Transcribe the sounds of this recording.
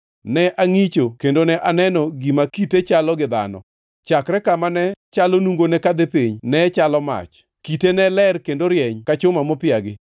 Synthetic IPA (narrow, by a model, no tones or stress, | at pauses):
nɛʔaŋit͡ʃokendonɛʔanɛnɔɡimakitet͡ʃalɔɡɪd̪a̰nɔ̰ | t͡ʃakɾɛkamanɛt͡ʃalonuŋɡonɛkad̪epiɲnɛt͡ʃalɔma̰t͡ʃ | kitenɛlɛrkendoɾjɛɲkat͡ʃʊmamɔpɪaɡɪ